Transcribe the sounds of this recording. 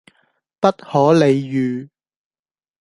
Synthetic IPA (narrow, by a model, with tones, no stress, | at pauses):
pɐ˥t̚hɔː˨˥le˨˧jːyː˨